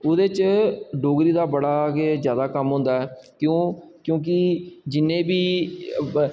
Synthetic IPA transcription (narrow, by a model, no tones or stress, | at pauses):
ʊd̪eːt͡ʃɖoːɡɾiːd̪aːbəɽaːɡeːzjaːd̪aːkəmɦʊ̃ːnd̪aːɛːkjõː | kjõːk̬ɪd͡ʒɪnːẽːbiː